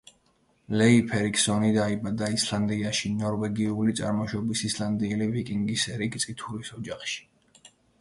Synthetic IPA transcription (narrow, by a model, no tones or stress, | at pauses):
lɛipʰɛɾiksɔnid̪aibad̪aislˠand̪iaʃinɔɾvɛɡiulit̪sʼa̰ɾmɔʃɔbisislˠand̪iɛlivikʼiŋɡisɛɾikt̪sʼit̪ʰuɾisɔd͡ʒaχʃi̥